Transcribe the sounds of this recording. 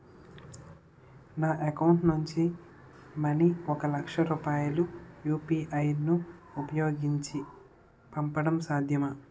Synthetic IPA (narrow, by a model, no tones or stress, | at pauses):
naːʔekɐwuɳʈnuɲt͡ʃi | mɐniɔkɐlɐkʂɐɾuːpaːjulujuːpiːʔɐjnuupɐjoːɡiɲt͡ʃi | pɐmpɐɽɐmsaːd̪ʱjɐmɐ